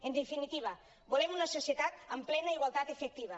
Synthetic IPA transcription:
end̪efinit̪iβ̞a | bolemunasosjet̪at̪amplɛnaiɣwalˠt̪at̪efek̚t̪iβa

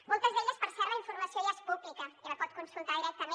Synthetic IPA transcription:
molˠt̪əzðeʎəspəɾsɛɾləiɱfuɾməsioiəspuβlikəiləpɔt̪̚kunsulˠt̪aðiɾɛk̚t̪əme

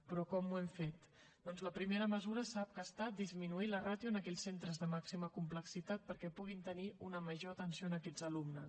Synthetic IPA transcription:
pɾɔkɔmuɛmfet̪ | d̪ɔnzləpɾimeɾəməzuɾəsap̚kəst̪at̪̚d̪izminuilərat̪juənəkɛʎsent̪ɾəzðəmaksiməkumpləksit̪at̪̚pəɾkɛpuɣ̞int̪əniunəməʒoət̪ənsioənəkɛzəlumnəs

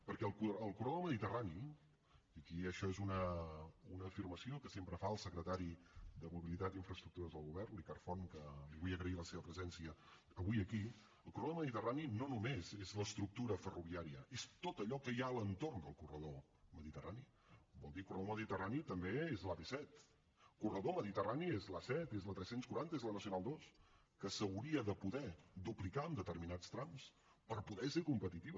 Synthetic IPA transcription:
pəɾkɛəlˠkuəlˠkurəðoməðit̪ərani | əkiəʃɔezunəunəːfirməsiokəsempɾəfaəlˠsəkɾət̪aɾid̪əmuβilit̪at̪iɱfɾəst̪ɾuk̚t̪uɾəzðəlˠɣuβɛrnlikarfonkəliβujəɣɾəiləseβəpɾəzɛnsiəː | βuiəki | əlˠkurəðoməðit̪əraninonumezezləst̪ɾuk̚t̪uɾəfəruβiaɾiəest̪ot̪əʎɔkəjaələnt̪oɾnd̪əlˠkurəðo | məðit̪ərani | bɔlˠd̪ikurəðoməðit̪əranit̪əmbeezlaβesɛt̪ | kurəðoməðit̪əraniezlasɛt̪ezlət̪ɾɛsenskuɾant̪əezlənəsiunalˠd̪os | kəsəwɾiəðəpuðɛd̪uplikaəmd̪ət̪ərminast̪ɾams | pəɾpuðɛsekumpət̪it̪iβə

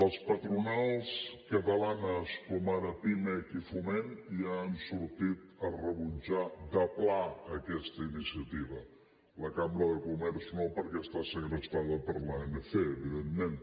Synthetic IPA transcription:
əspət̪ɾunalˠskət̪əlanəskɔmaɾəpimekifumeniaːnsuɾt̪it̪ərəβunʲd͡ʒad̪əplaəkɛst̪əinisiət̪iβə | ləkambɾəðəkumɛɾznopəɾkɛst̪asəɣɾəst̪aðəpəɾləenəfeəβiðemːen

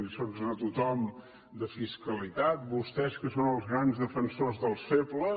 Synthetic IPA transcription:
isonzət̪ut̪ɔm | d̪əfiskəlit̪at̪̚bust̪ɛskəsonəlˠzɣɾanzðəfənsozðəlˠseplə

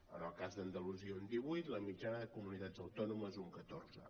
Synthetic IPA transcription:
ənəlˠkazd̪ənd̪əluziəund̪iβujt̪ləmid͡ʒanəðəkumunit̪ad͡zəwt̪ɔnuməzuŋkət̪o̰rzə̰

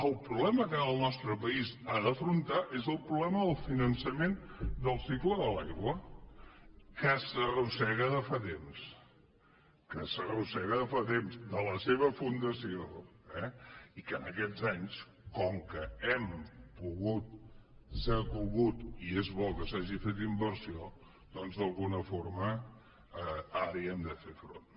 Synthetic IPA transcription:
əlˠpɾuβlɛməkəəlˠnɔst̪ɾəpəizaðəfɾunt̪aʔezəlˠpɾuβlɛməðəlˠfinənsəmend̪əlˠsikləðəlajɣwə | kəsərusɛɣəðəfat̪ems | kəsərusɛɣəðəfat̪emzd̪ələseβ̞əfund̪əsioɛikənəkɛd͡zaɲs | kɔŋkəɛmpuɣut̪səkuɣut̪iezβɔkəsaʒifet̪imbəɾsio | d̪ɔnzðəlˠɣunəfoɾmə | əaɾiɛmd̪əfefɾo̰n

